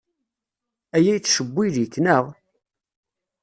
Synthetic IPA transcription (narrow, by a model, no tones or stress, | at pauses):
æjæjt͡sːʃəbʷːiðikːnəʁ